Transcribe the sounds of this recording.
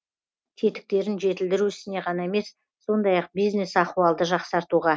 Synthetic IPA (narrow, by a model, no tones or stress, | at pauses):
t̪ʰe̞t̪ɪ̥k̚t̪e̞ɾɪnʒe̞t̪ɪld̪ɪɾuɪsɪne̞ʁɑnɑe̞me̞sː | o̞nd̪ɑjɑq̚bijzne̞sɑquɑlˠd̪əʒɑqsɑɾt̪uʁɑ